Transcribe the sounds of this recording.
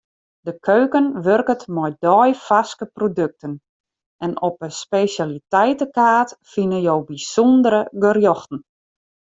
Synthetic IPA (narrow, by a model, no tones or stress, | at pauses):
dəkʰøːkənʋørkətmɔjdɔjfaskəprodøk̚tʰən | ɛnɔpəspesalitɛjtəkaːtfinənjowbisondəɾəɡərjɔxtn̩